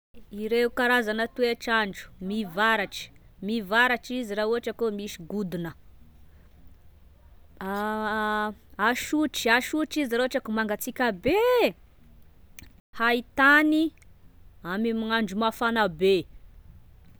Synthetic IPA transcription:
iɾeukaɾazanət̪ueʈ͡ʂaɳɖ͡ʐu̥mivaɾaʈ͡ʂi̥mivaɾaʈ͡ʂiziɾauɦaʈ͡ʂəkomiʃi̥ɡud̪unə | aʃuʈ͡ʂaʃuʈ͡ʂiziɾoaʈ͡ʂakumaŋɡat͡sikʲəbe | hait̪ani | amimiŋaɳd͡ʒumafanabe

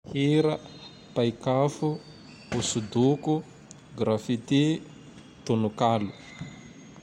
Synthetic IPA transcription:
hiɾa | pajkafu | usud̪uku | ɡɾafit̪i | t̪unukalu

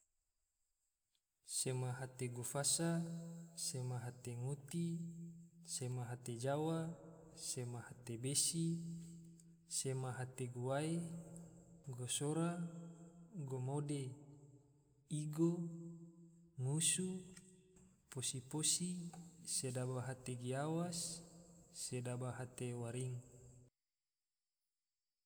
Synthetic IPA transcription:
semaɦat̪eɡofasasemaɦat̪eŋut̪i | semaɦat̪ed͡ʒawa | semahat̪ebesi | semaɦat̪eɡowae | ɡosoɾa | ɡomode | iɡo | ŋusu | posiposisedabaɦat̪eɡiawasː | edabaɦat̪ewaɾiŋ

